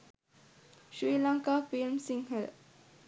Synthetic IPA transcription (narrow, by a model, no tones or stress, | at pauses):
ʃɾiːlãŋkafilmsĩŋhəl